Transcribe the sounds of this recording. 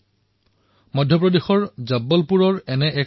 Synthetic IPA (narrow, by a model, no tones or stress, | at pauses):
mɔdʱjɔp̬ɹɔdexɔɹzabːɔlpuɹɔɹɛnɛʔɛ